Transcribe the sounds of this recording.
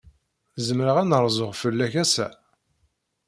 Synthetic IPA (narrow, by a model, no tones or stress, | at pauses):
zəmɾəʁænəɾˤzˤoʁfəlːæçæsæ̰